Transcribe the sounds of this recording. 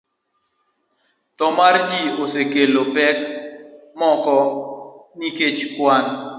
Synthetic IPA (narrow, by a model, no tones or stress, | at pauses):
t̪ɔmardiosekelopɛk | mɔkɔ | niket͡ʃkwan